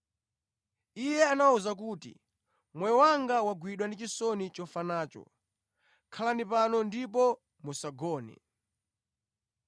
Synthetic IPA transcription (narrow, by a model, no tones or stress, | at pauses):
ijɛanauzak̬uːtḭ | mwɛwaŋɡawaɡwiɗwandit͡ʃisɔnit͡ʃɔfanaːt͡ʃɔ̰ | kʰalanipanɔndip̬ɔ | musaɡɔːnḭ